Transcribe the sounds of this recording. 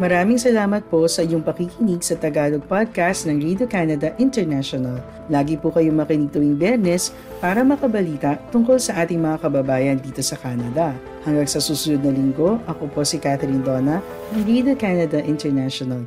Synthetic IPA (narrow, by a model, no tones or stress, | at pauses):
mɐɾaːmiŋsɐlaːmɐt̪̚po̞sɐʔɪjoŋpɐkikɪniɡsɐt̪ɐɡaːloɡ̚pad̪̚kast̪nɐŋɹid̪okanɐd̪ɐʔɪnt̪ɛɹnaʃonɐlː | aːɡipukɐjoŋmɐkɪnɪɡ̚t̪ɐwiŋbjɛɾnɛs | paːɾɐmɐkɐbɐliːt̪ɐʔt̪ʊŋko̞lsɐʔaːt̪ɪŋmɐŋakɐbɐbaːjɐnd̪iːt̪o̞sɐkaːnɐd̪ɐ | hɐŋɡɐŋsɐsuːsʊnod̪̚nɐlɪŋɡo̞ʔɐkopo̞sikat̪ɛɾind̪oːnɐ | nɐŋɾid̪okanɐd̪ɐʔɪnt̪ɛɹnaʃonɐl